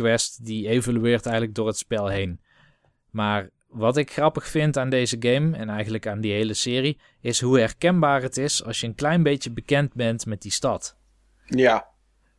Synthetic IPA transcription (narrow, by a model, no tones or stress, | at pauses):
ʋɛstdiejvolyɪːɹtɛjɣənləɡ̚dʊːɹɦətspɛlˠɦejn | maːɹ | ʋɑtɪkxrɑpəxfɪntaːndejzəɡejmɛ̰nɛjɣənləkaːndiɦejləsɪːri | ɪsɦuɦɛɹkɛnbaːrɦətɪsɑ̰lˠsjəənklɛjnbejtəbəkɛnt̚bɛntmɛt̚distɑt | ja